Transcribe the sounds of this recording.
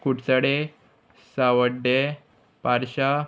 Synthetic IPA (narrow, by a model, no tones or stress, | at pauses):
kuʈsaɽe | sawəɖe | paɾɕa